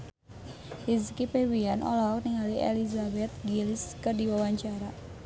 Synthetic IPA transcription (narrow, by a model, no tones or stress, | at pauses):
hizkipewianʔɔ̰lɔɦɔk̚niŋaliʔḛlizabɛt̪̚ɡilɪskərdiwawaɲt͡ʃaɾa